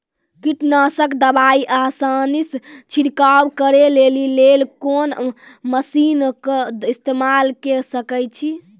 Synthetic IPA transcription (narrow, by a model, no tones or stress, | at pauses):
kiʈnasəkd̪əbaiʔasanist͡ʃʰiɽkawkəɾelelilelkonməsinkist̪emalkesəkət͡ʃʰi